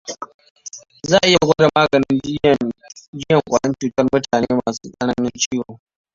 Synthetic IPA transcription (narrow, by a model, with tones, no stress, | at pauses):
zaː˦ʔɪ˦ja˨ɡʷa˦da˨maː˦ɡɐ˨nɪ˦n | d͡ʒɪ˦jɐ˨ŋkʷʼa˨ɽɐ˦nt͡ʃuː˨tɐ˦rmʊ˦taː˨neː˦maː˨sṵː˦kʼɐ˦ɽa˦nʊ˦nt͡ʃiː˦hoː˨